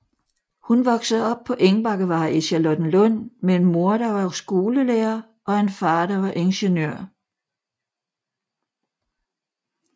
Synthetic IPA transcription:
hunʋɒ̽ɡ̥səð̩ˠɒ̽b̥̚pʰɒ̽ʔeŋb̥ɑ̈ɡ̥əʋɑ̈ːiɕælɔd̥n̩lɔn̰meenmo̝ɐɾɑʋɑ̈sɡ̥o̝ːləleːɐ | ʔɒ̽enfɑ̈ːdɑʋɑ̈ʔe̝nɕenøɐ̰

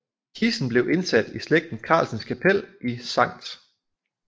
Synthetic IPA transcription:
kʰisn̩b̥le̝ʊʔe̝nsæd̥isleɡ̥̚d̥n̩kʰɑ̰̈ːlsən̩skʰæpʰel̰ʔisɑ̈ŋ̰d̥

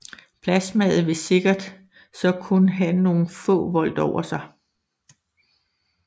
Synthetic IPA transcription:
pʰlæsmɛð̩ˠʋe̝se̝ɡ̥ɐd̥ | sɒ̽kʰunəɦæno̝ːn̩fɔ̰̽ːʋɒ̽l̰d̥ɒʊɐsɑ̈ɪ

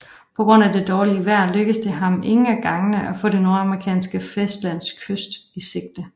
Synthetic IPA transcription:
pʰɒ̽ɡ̥ʁɔ̽n̰æd̥e̝d̥ɒːliəʋæɐ̰løɡ̥əsd̥e̝ɦɑ̈mʔe̝ŋəæɡ̥ɑ̈ŋənəʔæfɔ̰ːd̥e̝no̝ɐɑ̈məʁikʰɛ̰ːnsɡ̥əfesd̥læn̰skʰøsd̥ise̝ɡ̥̚d̥ə

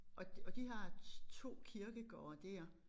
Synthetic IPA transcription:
ʔɒ̥̽ɒ̽d̥iɦɑ̈t͡sʰo̝̰ːkʰiɐɡ̥əɡ̥ɒːɐd̥æɐ̰

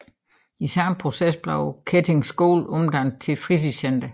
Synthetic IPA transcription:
isæmpʰʁo̝sesb̥lɑʊkʰet͡sʰe̝ŋsɡ̥o̰ːlɔ̽md̥ænd̥̚t͡sʰe̝lfʁit͡sʰisend̥ɐ

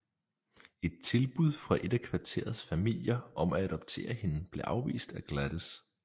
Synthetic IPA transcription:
e̝d̥̚t͡sʰe̝lb̥uð̞ˠfʁɑ̈ʔe̝d̥ækʰʋɑ̈t͡sʰe̝̰ɐð̞ˠsfæmil̰jɐɒ̽mææɾ̥ɒ̽b̥̚t͡sʰe̝̰ːɐhe̝nəb̥le̝ʔɑ̈ʊʋḭːsd̥æɡ̥læd̥əs

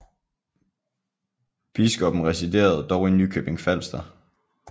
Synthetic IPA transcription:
b̥isɡ̥ɒ̽b̥n̩ʁɛsid̥e̝̰ːɐð̞̩ˠd̥ɒʊe̝nːykʰøb̥e̝ŋfæl̰sd̥ɐ

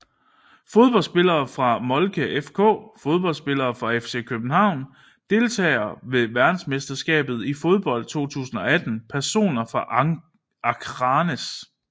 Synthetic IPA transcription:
fo̝ð̞ˠb̥ɒ̽l̰sb̥e̝lɐːfʁɑ̈mɒ̽lkʰəʔefkʰɔ̰̽ːfo̝ð̞ˠb̥ɒ̽ldsb̥e̝lɐːfʁɑ̈efse̝̰kʰøb̥̚n̩hɑ̈ʊ̰n | d̥e̝lt͡sʰɛ̰ːɐʋe̝ʋæɐd̥n̩sme̝sd̥ɐsɡ̥ɛ̰ːb̥ð̞̩ˠifo̝ð̞ˠb̥ɒ̽l̰d̥̚t͡sʰo̝̰ːt͡sʰṵːsn̩ɒ̽æd̥n̩pʰæɐso̝̰ːnɐfʁɑ̈ʔ | ɑ̈kʰʁɑnes

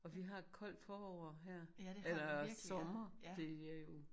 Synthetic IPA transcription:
ɒ̽ʋiɦɑ̈kʰɒ̽l̰d̥fɒːɒʊ̰ɐɦeɐ̰elɐsɒ̽mɐd̥e̝æjo̝

